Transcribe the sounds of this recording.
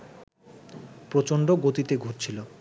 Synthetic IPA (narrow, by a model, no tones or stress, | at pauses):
pɾot͡ɕoɳɖoɡot̪it̪eɡʱoʈt͡ɕʰilo